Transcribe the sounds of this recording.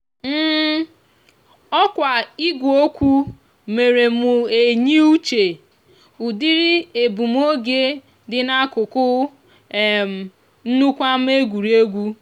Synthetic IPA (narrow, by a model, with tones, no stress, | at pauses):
m̩ː˦ | ɔ˦kʷa˨i˦ɡʷo˦kʷu˦ | me˨ɾe˨mʊ˨e˨ɲi˦u˦t͡ʃe˨ | u˨di˦ɾi˦e˨bu˨m˦o˦ɡe˦ | dɪ˨na˦kʊ˨kʊ˦˨ | m̩˨ | n̩˦nu˦kʷa˦m̩˦e˦ɡʷu˨ɾi˦e˦ɡʷu˦